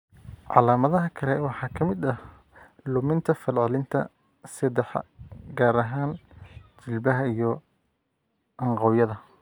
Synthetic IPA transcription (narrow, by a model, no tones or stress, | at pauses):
ʕɑ̰laːmɐðɐɦɐkʰɐlɛwɑħɑːkʰɐmɪd̪ɐ | lʊmɪnt̪ʰɐfɐlʕɪlɪnt̪ʰɐ̰ | sɐd̪ɛħɡaːɾɐɦaːnt͡ʃɪlbɐɦɐijɞ | ʔɐɴqɑwjɐðɐ